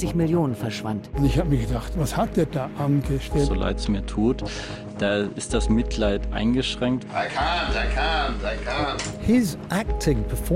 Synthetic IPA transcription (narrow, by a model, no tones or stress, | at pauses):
ɪçmɪljoːnənfɛɐʃv̥a̰ntʊnɪçhaːbəmiːɐɡədaχtvashat̚d̥eːdaːʔanɡəʃtɛzolʔa̰ɪtsmiːɐtʰuːt | d̥aːɪstd̥asmɪtʰlaɪtʔa̰ɪnɡəʃʁ̥ɛŋk̚t | hɪzʔæk̚tʰɪ̃ŋpəfɔ